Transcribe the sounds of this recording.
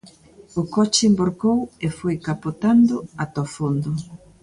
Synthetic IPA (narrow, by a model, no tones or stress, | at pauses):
ʊkɔt͡ʃɪmboɾkowefojkapot̪and̪ʊat̪ofond̪ʊ